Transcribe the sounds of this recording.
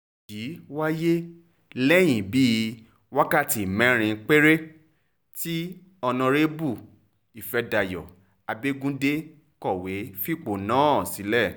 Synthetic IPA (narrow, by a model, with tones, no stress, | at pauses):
ki˨˦wa˦je˦ | lɛ˦j̃ĩ˨bi˦ | wa˦ka˦˨ti˨mɛ̃˨˦ɾ̃ĩ˧k͡pe˦ɾe˦ | ti˦ | ɔ˧nã˧ɾe˦bu˦˨ | i˨fɛ˧da˧˨jɔ̰˨ | a˧be˦ɡũ˦de˦ | kɔ˦˨we˨˦fi˦˨k͡po˨nãː˨˦ɔ˦˨si˨˦lɛ˦˨